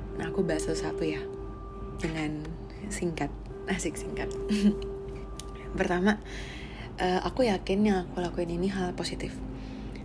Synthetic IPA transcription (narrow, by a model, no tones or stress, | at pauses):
akubaɦasalusat̪uja | dəŋan | siŋkat̪̚ | nasɪk̚siŋkat̪̚ | pərt̪ama | ʔəʔa̰kujakɪnjaŋakulakuɪniniɦalposit̪ɪf